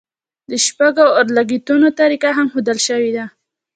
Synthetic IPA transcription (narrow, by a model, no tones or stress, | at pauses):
d̪əʃpaɡoaɾlaɡit̪unot̪aɾikaɦamxud̪alʃəwid̪a